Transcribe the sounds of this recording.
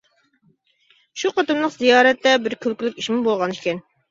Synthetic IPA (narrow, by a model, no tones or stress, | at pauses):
ʃuqʰɑt̪ɨmlˠəqzijɑːɾɛt̪ːɛbɪɾkʲʰølkʲɪlʲɪkʲiʃmɪbolˠʁɑniʃkʲɛn